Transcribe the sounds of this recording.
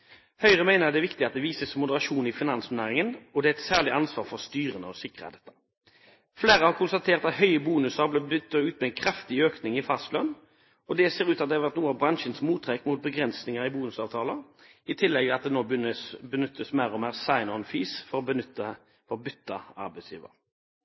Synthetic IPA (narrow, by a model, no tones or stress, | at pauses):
hœʏʁəmæɪnəʁɑt̪d̪ɛæʋɪkt̪ɪɑt̪̚d̪ɛʋiːsəsmʊd̪əʁɑʃuːnɪfɪnɑnsmʊnæːʁɪŋənɔd̪ɛæɛt̪sæːʁlɪɑnsʋɑːʁfɔʁst̪yːʁənəɔsɪkʁəə̰d̪ɛt̪ːə̥ | fleːʁəhɑʁkʰʊnst̪ɑt̪ʰeːʁt̪ɑt̪hœʏəbuːnʉsəʁblɛbʏt̪ːəʉːt̪mɛɛɪnkʰɾɑft̪ɪøːknɪŋɪfɑst̪lœn | ɔd̪ɛseːʁʉːt̪ɑt̪̚d̪ɛhɑʋæʁt̪nuːəɑbʁɑnʃənsmuːt̪ʰːʁɛkmʊt̪̚bəɡʁɛnsnɪŋəʁɪbuːnʉsɑːʋt̪ʰɑːlə | ɪt̪ʰɪlːɛɡɑt̪̚d̪ɛnoːəbənʏt̪ːəsmæʁɔmæːʁsɑɪnɔnfiːsfɔʁɔbənʏt̪ːə | fɔʁbʏt̪ːəɑ̰ʁbæɪsjḭːʋə̰ʁ